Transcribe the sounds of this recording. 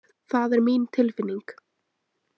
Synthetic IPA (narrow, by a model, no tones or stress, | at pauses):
θaðɛɾmint̪ʰɪlfɪnːiŋk